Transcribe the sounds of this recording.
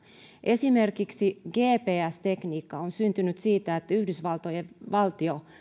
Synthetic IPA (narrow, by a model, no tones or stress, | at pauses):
ʔe̞simerkiksiɡ̥eːpeːæst̪e̞kniːkːɑonsynt̪ynyt̪siːt̪æet̪ːyhdysʋɑlt̪ojeʋɑlt̪io